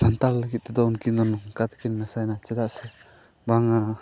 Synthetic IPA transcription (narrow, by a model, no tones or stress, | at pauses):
sant̪alləɡit̪̚t̪ɛd̪ɔunkind̪ɔnɔŋkat̪kinnasajnat͡ʃɛd̪aʔsɛbaŋa